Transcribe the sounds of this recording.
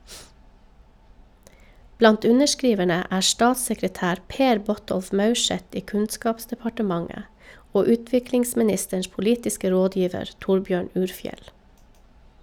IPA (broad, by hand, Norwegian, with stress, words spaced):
ˈblɑnt ˈʉnəʃˌkɾiːʋəɳə ˈæː ˈstɑːtsəkɾəˌtæːɾ ˈpeːɾ ˈbɔˌtɔlf ˈmɑʉˌʃɛt ˈiː ˈkʉnˌskɑːpsdɛpɑʈəˌmɑŋə ˈoː ˈʉːtʋɪklɪŋsmɪˌnɪstəɳʃ pʊˈliːtɪskə ˈɾoːˌdjiːʋəɾ ˈtʊɾˌbjøːɳ ˈʉːɾˌfjɛl